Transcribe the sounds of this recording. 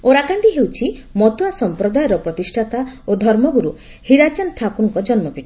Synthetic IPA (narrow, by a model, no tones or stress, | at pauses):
oɾakaɳʈiɦewt͡ʃʰimɔt̪uwasɔmpɾɔd̪ajɔɾɔpɾɔt̪isʈʰat̪aod̪ʱɔɾmɔɡuɾu | hiɾat͡ʃɔnt̪ʰakuɽɔŋkɔd͡ʒɔnmɔpiʈi